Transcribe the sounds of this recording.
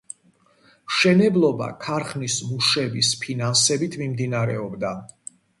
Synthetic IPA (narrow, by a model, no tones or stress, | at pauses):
mʃɛnɛblˠɔba̰kʰaɾχnismuʃɛbispʰinansɛbit̪ʰmimd̪inaɾɛɔbd̪a